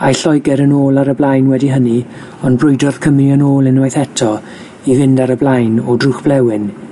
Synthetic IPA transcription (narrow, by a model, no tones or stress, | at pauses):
ajɬɔjɡɛɾənoːlˠaɾəblˠajnwɛdiɦəni | ɔnbrʊɨdɔrð̥kʰəmiənoːlˠɛnwajθɛtʰɔ | ivɪndaɾəblˠajnɔdruχb̥lˠɛwɪn